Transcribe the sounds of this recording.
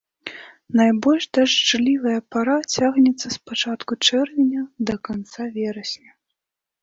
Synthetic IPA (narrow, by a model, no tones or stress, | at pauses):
najbɔlʲʂd̪aʂt͡ʂlʲivɐjɐpaɾat͡sʲaɣnʲɛt̪sːɐspat͡ʂat̪kut͡ʂɛrvʲɛnʲɐd̪ɐkant̪savʲɛɾɐsʲnʲɛ